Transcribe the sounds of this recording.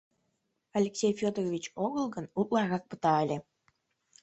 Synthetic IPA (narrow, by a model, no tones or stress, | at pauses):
ɑlʲeksʲejfʲod̪rovʲit͡ɕoɣəlˠɣənuklˠɑrɣɑk̚pə̥t̪ɑə̆lʲe